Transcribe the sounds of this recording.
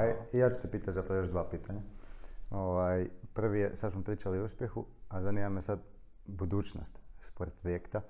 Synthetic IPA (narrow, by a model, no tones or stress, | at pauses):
jijaːt͡ʃu̥sepiːt̪azapɾaajoʒd̪ʋapiːt̪ʰaɲa | oʋaːjpr̩ʋijesad̪smopɾiːt͡ʃaliuspje̞xuazaniːmamesad̪ | bud̪uːt͡ʃno̰st̪spoɾed̪̚pɾojekt̪a